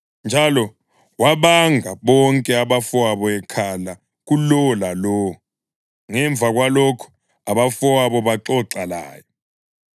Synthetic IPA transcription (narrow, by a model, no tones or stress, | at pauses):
nd͡ʒʱalɔ | waɓaŋʱaɓɔŋkʼɛaɓafɔaɓɔɛkʰala | k̬ulɔlalɔ | ŋɛɱb̪vʱak̬walɔkʰɔ̥ | aɓafɔaɓɔɓaǁɔǁala̰ːjɔ